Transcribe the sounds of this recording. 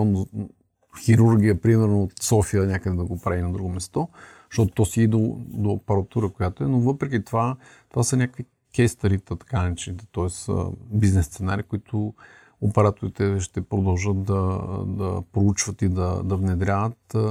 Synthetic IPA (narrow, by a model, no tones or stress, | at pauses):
no | xiɾuɾɡʲijəpɾimɛɾnoːt̪sɔfijənʲakəd̪ɛd̪ɐɡopɾainɐd̪ɾuɡomɛst̪ɔ | ʃt̪ɔt̪o̥t̪ːɔsiid̪od̪oːpɛɾat̪uɾəkojat̪oɛnovɤpɾɛk̬ʲit̪ova | t̪ovasənʲakkvi | kʲɛst̪ɐɾit̪ət̪ɐ̥kanɐɛt͡ʃnit̪ɛ̥t̪ɔɛssə̰biznɛsːt̪sɛnaɾikoit̪ʰʊ | opɛɾat̪ʊɾit̪ɛʃt̪ɛpɾod̪ɐlˠʒət̪̚d̪ɐd̪ɐ̰pɾout͡ʃvət̪id̪ɐ̰d̪ɐvnɛd̪ɾʲavət̪